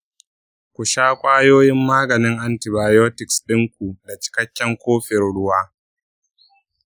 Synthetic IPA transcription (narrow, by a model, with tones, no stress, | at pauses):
kʷu˨ʃaː˦kʷʼaː˦joː˦jɪ˦mːaː˦ɡɐ˨nɪ˦ŋʔa˦nti˨baː˨jo˦tɪ˨ksɗɪ˦ŋkʷu˨da˨t͡ʃɪ̥˨kɐ˦kʲːɐ˦ŋkʷoː˦ɸɪ˨rɽʊ˦waː˦